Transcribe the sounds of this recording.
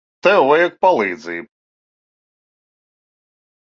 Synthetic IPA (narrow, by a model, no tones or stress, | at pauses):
t̪ɛwɛjɛk̚palˠiːd̪ziːb